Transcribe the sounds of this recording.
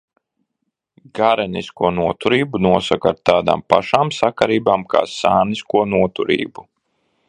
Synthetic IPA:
ɡaɾɛniskuɔnuɔt̪uɾiːbunuɔsakaɾt̪aːd̪a̰ːmpaʃaːmsakaɾiːbaːmkʰa̰ːsaːniskuɔnuɔt̪uɾḭːbu

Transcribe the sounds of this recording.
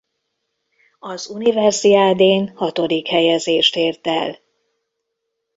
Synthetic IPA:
ɒzunivɛrziaːd̪eːnhɒt̪o̞d̪ikhɛjɛzeːʃt̪eːrt̪ɛl

